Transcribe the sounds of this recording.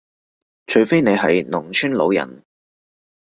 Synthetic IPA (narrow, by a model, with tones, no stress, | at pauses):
t͡ʃʰɵ˨˧ɥfe˥jne˨˧jɦɐ˨jnʊ˨˩ŋt͡ʃʰyː˥nlo˨˧wjɐ̰˨˩n